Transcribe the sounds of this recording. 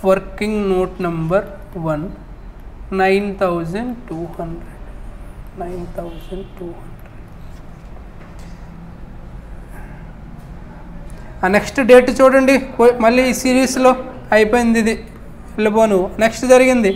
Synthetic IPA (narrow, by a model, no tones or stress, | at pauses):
ʋɐɾkiŋɡnoːʈnɐmbɐɾ | ʋɐnː | ɐjnt̪ʰɐwd͡ʒɐɳɖʈuːhɐɳɖɾeɖnɐjnt̪ʰɐwd͡ʒɐɳɖʈuːhɐɳɖɾeɖ | aːneksʈɖe̞ːʈt͡ʃuːʈɐɳɖimɐlːiːsiːɾiːslo̞ː | ɐjipoːjind̪id̪i | elːɐboːnuneksʈd͡ʒɐɾiɡind̪i